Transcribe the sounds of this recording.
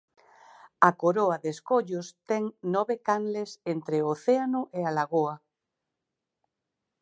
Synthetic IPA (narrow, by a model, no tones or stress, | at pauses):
akoɾoaðeskoʎʊst̪ɛŋnɔβekanlesent̪ɾeoθeanʊʔealaɣoa